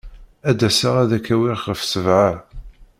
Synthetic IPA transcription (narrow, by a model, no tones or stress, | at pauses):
æd̪æsaʁæðækːæwiʁχəfsəvʕa